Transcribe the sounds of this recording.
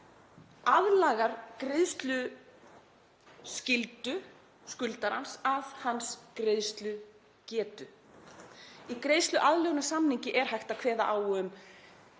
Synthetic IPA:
aðlaːɣaɾ̥kɾeðst̪lʏ | scɪlt̪ʏ | skʏlt̪aɾhansaðhanskɾeðst̪lʏ | cɛːt̪ʏ | ikɾeðst̪lʏʔaðlownasamniɲcɪʔɛɾ̥hajxt̪akʰvɛːða̰ʔawʏm

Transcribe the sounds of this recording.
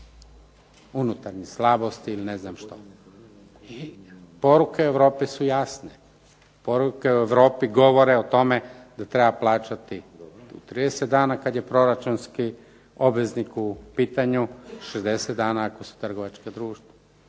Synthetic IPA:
unut̪aɾɲislˠabo̞st̪iːlineznamʃt̪o | ipo̞ɾukeueʋɾo̞ːpisujasne | po̞ɾuke̞ueʋɾo̞ːpiɡo̞ʋo̞ɾeot̪o̞med̪at̪ɾe̞baplˠaːt͡ʃat̪iut̪ɾiːd̪eset̪̚d̪aːnakad̪je̞pɾo̞ɾat͡ʃunski | o̞bʋeznikupiːt̪aɲuʃezd̪eset̪d̪aːnaːko̞su̥t̪r̩ɡo̞ʋat͡ʃkad̪ɾuːʃt̪ʋo

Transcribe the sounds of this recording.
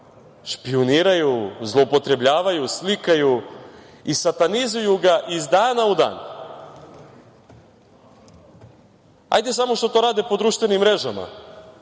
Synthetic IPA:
ʃpioniːɾajuzlˠoupo̞t̪ɾe̞bʎaːʋajuslikaju | isat̪anizujuɡaʔizd̪aːnaud̪a̰ːn | ha̰jd̪esamo̞ʃt̪ot̪o̞ːɾaːd̪ipo̞d̪ɾuːʃt̪ʋe̞nimːɾe̞ʒama̰

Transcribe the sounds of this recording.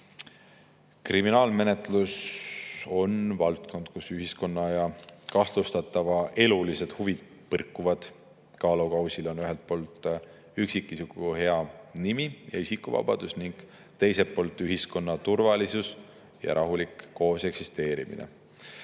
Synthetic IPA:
kriminɑːlme̞ne̞t̪ˑlus | o̞nvɑlt̪kʰo̞nd̪̥kusyɦisko̞nːɑjɑkɑhlust̪ɑt̪ˑːɑvɑʔe̞lulise̞d̪̥huvid̪̥̚ | pɤrkːˑuvɑd̪̥ | kɑːlukɑwsilo̞nyɦelt̪̚po̞ːlt̪ˑ | yksikːˑisukuhe̞ɑnimijɑ̰isikːuvɑ̰b̥ɑ̰d̪̥usniŋɡ̥ | t̪e̞jse̞pːo̞ːlt̪ːˑyɦisko̞nːɑt̪urvɑlisus | jɑ̰ɾʔɑɦulikːo̞ːse̞ksist̪e̞ːɾimḭnḛ

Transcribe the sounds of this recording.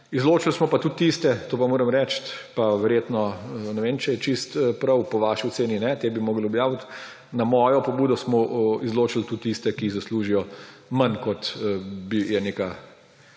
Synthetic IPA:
izloːt͡ʃilsmɔpat̪ut̪ːist̪ɛt̪oːpamoːɾɐmɾɛːt͡ʃt̪paʋɛɾjeːt̪nɔnɛʋeːmt͡ʃɛjɛt͡ʃist̪pɾɐwpɔʋaːʃiɔseːninɛt̪eːbimoːɡlɔbjaːwt̪ | namɔːjɔpɔbuːd̪ɔsmɔizloːt͡ʃilt̪ut̪ːist̪ɛkiːɣzɐsluːʒijɔmɐnkɔt̪bijɛneːka

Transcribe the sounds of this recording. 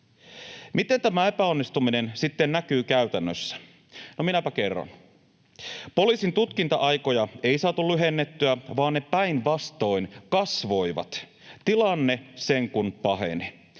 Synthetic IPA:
mit̪e̞nt̪æmæepæo̞nːist̪umine̞nsit̪ːennækyːkæyt̪ænːøsːæ̥ | nominæpæke̞rːɑ̰n | po̞liːsint̪ut̪kint̪ɑʔɑjko̞jɑe̞isɑːt̪ulyɦe̞nːet̪ːyæʋɑːnnepæinʋɑst̪o̞inkɑsʋo̞jʋɑ̰t̪ | t̪ilɑnːe̞se̞ŋkunpɑɦḛni

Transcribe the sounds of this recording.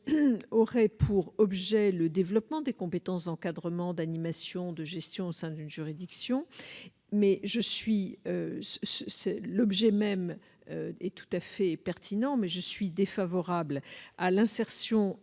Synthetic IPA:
ɔʁɛpʰuʁɔbʒɛləd̪evlɔpmɑ̃d̪ekɔ̃pet̪ɑ̃sd̪ɑ̃kad̪ʁəmɑ̃d̪animasjɔ̃d̪əʒɛst̪jɔ̃osɛ̃d̪ynʒyʁid̪iksjɔ̃ | mɛʒəsɥiøsssɛlɔbʒɛmɛm | øɛt̪u̥t̪afɛpɛʁt̪ʰinɑ̃mɛʒəsɥid̪efavɔʁablalɛ̃sɛʁsjɔ̃

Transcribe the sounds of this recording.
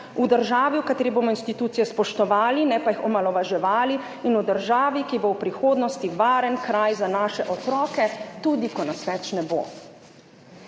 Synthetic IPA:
ud̪əɾʒaːʋiwkat̪eːɾiboːmɔinst̪it̪uːt̪sijɛspɔʃt̪ɔʋaːlinɛpajixɔmalɔʋaʒɛʋaːli | inud̪əɾʒaːʋikibowpɾixoːd̪nɔst̪iʋaːɾənkɾajzanaːʃɛʔɔt̪ɾɔːkɛt̪uːd̪ikɔnasʋɛt͡ʃnɛbo̰

